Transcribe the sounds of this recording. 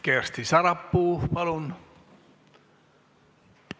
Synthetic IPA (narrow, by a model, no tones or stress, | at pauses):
kerst̪isɑɾɑpːuːpɑlun